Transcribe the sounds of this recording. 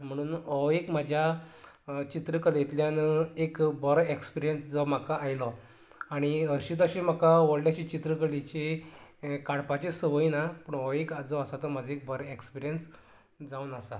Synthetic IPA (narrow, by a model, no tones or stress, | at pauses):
m̤əɽ̃uːnɔʋekm̤ad͡ʑʱja | t͡ɕit̪ɾəkəljet̪ljanəekbɔɾekspiɾijənsd͡zɔm̤akaajlɔ | aɽ̃iəɾɕit̪əɕem̤akaʋəɽljaɕit͡ɕit̪ɾəkəlit͡ɕe | kaɽpat͡ɕesəʋəinapəɳɔʋekad͡zɔəsat̪ɔmad͡zeek̚bəɾekspiɾijəns | d͡zaunasa̰